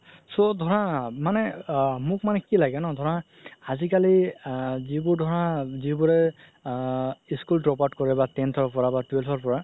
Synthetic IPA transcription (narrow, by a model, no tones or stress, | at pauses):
sodʱɔɹãmanɛmʊk̚manɛkilaɡɛnɔ̃dʱɔɹã | azikali | zibʊɹdʱɔɹãzibʊɹɛ | iskultɹɔpatkɔɹɛbatɛntʰɔɹpɔɹabatwɛlpʰɔɹpɔɹa